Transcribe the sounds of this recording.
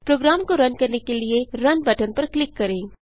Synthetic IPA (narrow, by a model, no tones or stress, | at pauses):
pɾoːɡɾaːmkoɾɐnkɐɾnekelieɾɐnbɐʈənpɐɾklɪkːɐɾẽː